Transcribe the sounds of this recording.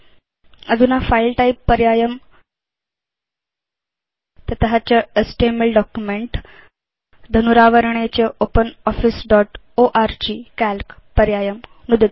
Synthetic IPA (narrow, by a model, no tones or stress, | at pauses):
əd͡zunafailʈaipːəɾjajəm | t̪ət̪ɦat͡ɕjaesʈeməlɖɔkjumeɳʈ | d̪ʱənuɾaʋəɾɳ̃et͡ɕeopənɔfisɖɔʈ | oʔaɾd͡ʑikælkpəɾjajəmnud̪i